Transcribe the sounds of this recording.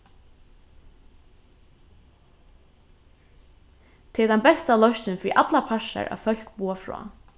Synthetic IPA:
t̪ʰɪɛt̪anbɛst̪alœʃt͡ɕɪnfɾḭʔat̪lapʰaʂa̰ɹʔa̰fœl̥kbuːafɾɔ̰ː

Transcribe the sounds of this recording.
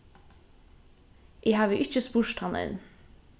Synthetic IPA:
ʔiːhɑːʋiːʔɪc͡çəspuːʃt̪hɑnʔə̰n

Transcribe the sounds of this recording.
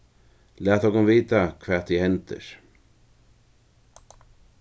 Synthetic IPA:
læːt̪ɔkʊmviːt̪akʰvɛ̥ːt̪ːihɛnt̪ə̰ɹ̥

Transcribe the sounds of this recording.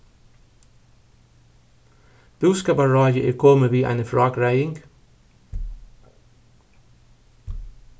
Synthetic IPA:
b̥ʉːskɑːpɑɹɑːjəʔeːkʰɔməʋiːʔæ̰ɪnəfɹɑːɡɹæɪɪŋɡ

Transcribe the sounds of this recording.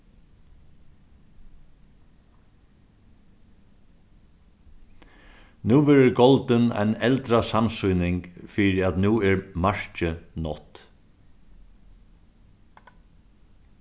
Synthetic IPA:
nuːʋɛːɾəɾɡɔlt̪əna̰jnɛlt̪ɾasamsʊjnɪŋkfiːɾɪat̪nuːɛɹmaɹ̥t͡ʃənɔt̪

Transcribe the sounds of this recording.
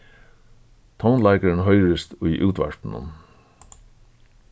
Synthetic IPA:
t̪ʰawnlajkaɾɪnɦœʏɾɪst̪ujʔuːt̪ʋa̰ɹ̥p̪n̩ʊ̰m

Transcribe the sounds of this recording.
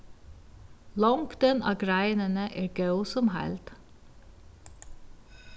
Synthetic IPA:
lɔŋkd̪̥ɛnʔɑ̰ːɡɾæɪnənəʔeːɹɡɑʉsɔmhæ̰lt̪

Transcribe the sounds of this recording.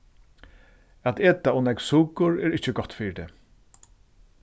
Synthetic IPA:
at̪eːt̪aʊnɛksuːkʊɹɛɹɪht͡ʃɪɡɔt̪fiːjɪt̪ɛː

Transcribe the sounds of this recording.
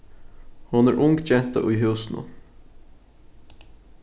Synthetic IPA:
hʊnæːɹʔʊŋɡt͡ʃɛnt̪ə̰ʔiːɦʉːsn̩ə̰

